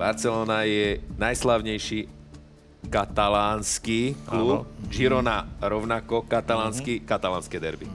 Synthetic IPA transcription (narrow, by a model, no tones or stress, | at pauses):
baɾt͡sɛlɔːnajɛnajslaʊɲɛjʃiː | kat̪alaːnskiːklup̚d͡ʒiɾɔnaɾɔʊnakɔkat̪alaːnskikat̪alaːnskɛd̪ɛ̰ɾbḭ